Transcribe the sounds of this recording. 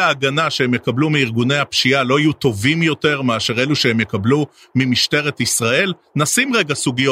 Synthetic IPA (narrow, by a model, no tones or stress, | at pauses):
aːɡanaʃehemjekablumiiʁɡune̞jhapʃialo̞ajut̪o̞vimjo̞t̪e̞ʁmeaʃe̞ʁe̞luʃehemje̞kablu | mimiʃte̞ʁe̞t̪isʁae̞l | nasimʁeɡasuɡijo